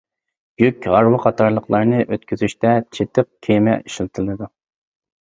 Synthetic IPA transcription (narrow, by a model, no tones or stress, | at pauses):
jykʲʁɑɾwɨqʰɑt̪ʰɑɾlˠəqlˠɑɾnɨʔøt̪̚kʲyzyʃt̪ɛt͡ʃʰet̪ʰɨq̚kʲʰemɛ̰iʃlˠt̪ʰɨlˠɨd̪u